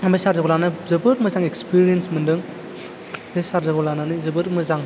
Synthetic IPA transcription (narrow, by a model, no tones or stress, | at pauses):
mesaɾzaɡolanɯzɯbɯɾmɯzaŋekspiɾijensmɯndɯŋ | besaɾzaɡɔlananɯzɯbɯɾmɯzaŋ